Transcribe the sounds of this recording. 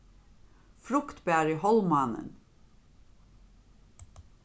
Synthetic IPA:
fɾʊkt̪bæːɾihɔlmɑnə̰n

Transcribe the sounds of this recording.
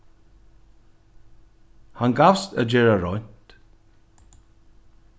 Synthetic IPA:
hanɡawst̪ə̰d͡ʒɛɹəɾɔnʲt̪

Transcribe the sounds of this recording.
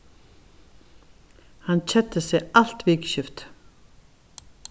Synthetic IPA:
hant͡ɕʰɛt̪ɪsɪɣal̥t̪vikɕʏft̪

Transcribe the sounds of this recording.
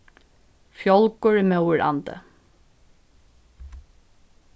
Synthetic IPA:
fjɔlkʊɹiːmœʊəɹʔɑ̰nd̪ə̰

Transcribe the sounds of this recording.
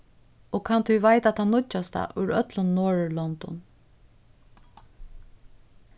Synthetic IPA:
ɔkʰant̪ʰʏvajt̪at̪hanːʊt͡ʃast̪a̰ʔʊ̰jɾœt̪lʊnːoːɹlɔnt̪ɔ̰n

